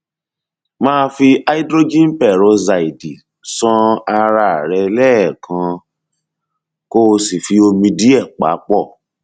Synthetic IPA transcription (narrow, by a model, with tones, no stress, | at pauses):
mãː˦fi˧a˦i˦dɾo˦d͡ʒĩ˦n˦pɛ˦˨ɾo˨˧za˧˨i˨di˨ | sɔ̃˦a˧ɾa˧˨ɾɛ˧lɛː˦˨kʰã˧ | ko˦˧si˨fi˧o˧mĩ˧di˦ɛ˦˨k͡pa̰˨˦k͡pɔ˦˨